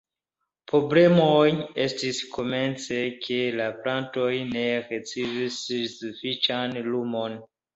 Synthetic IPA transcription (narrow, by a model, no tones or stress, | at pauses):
pɾoble̞moje̞stiskʰo̞me̞nt͡sekʰe̞laplanto̞jne̞ɾet͡sevissːufit͡ʃanlumo̞n